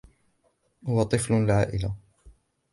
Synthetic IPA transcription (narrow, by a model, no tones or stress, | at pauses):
hʊwat̪ˤɨflʊlʕa̰ːʔɪla